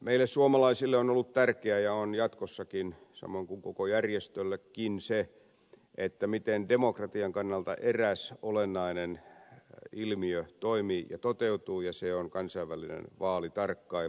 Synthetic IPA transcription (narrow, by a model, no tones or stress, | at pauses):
meilːˑessuomɑlɑisilːeonolːut̪t̪ærkeæjɑonjɑt̪kosːɑkinsɑ̰moiŋkuŋkokojærjest̪ølːekːinse | ʔet̪ːæmit̪endemokrɑt̪iɑŋkɑnːɑlt̪ɑ̰ʔeræsolenːɑinen | ilmiøt̪oimiːjɑ̰t̪ot̪eut̪uːjɑseoŋkɑnsɑiʋːælinḛnʋɑːlit̪ɑrkːɑi